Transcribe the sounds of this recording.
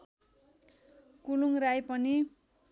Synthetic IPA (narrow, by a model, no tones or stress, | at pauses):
kuluŋrajpʌni